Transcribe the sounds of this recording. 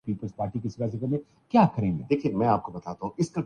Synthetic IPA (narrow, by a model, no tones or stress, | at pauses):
piːpəlzpaːɾʈikɪsiɾaːs̬ekəmẽ | kjaːkɐɾẽːŋɡḛd̪eːkʰiemɛ̃aːp̚kobɐt̪aːt̪aɦũɪskɐɾ